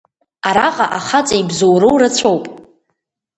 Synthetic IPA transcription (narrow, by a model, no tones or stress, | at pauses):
aɾaqʼaʔaχat͡sʼaibzowɾowrat͡ɕʷʰowpʼ